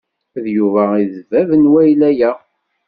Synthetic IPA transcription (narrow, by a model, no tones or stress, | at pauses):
ðjuvæiðəvævənwæjlæjæ